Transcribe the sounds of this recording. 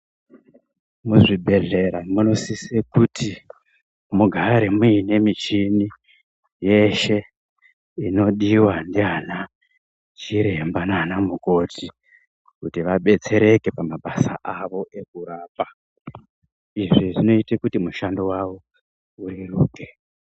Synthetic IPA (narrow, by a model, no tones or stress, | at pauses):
muʐibʱe̞ɮe̞ɾamuno̞sisekutʰi | muɡʱaɾe̞muine̞mit͡ʃini | je̞ʃe̞ | ino̞ɗiwandiana | t͡ʃiɾe̞mbananamuko̞tʰi | kutiʋaɓe̞t͡se̞ɾe̞ke̞pamaɓasaʔaʋo̞ʔe̞k̚uɾaːpa | iʐiʐino̞itekutimuʃando̞wawo | uɾiruːke